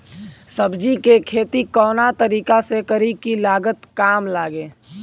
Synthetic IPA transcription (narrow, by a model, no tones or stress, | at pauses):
səbd͡ʒikekʰeːt̪ikɔːnat̪əɾiːkasekəɾikilaːɡət̪kaːmlaːɡẽː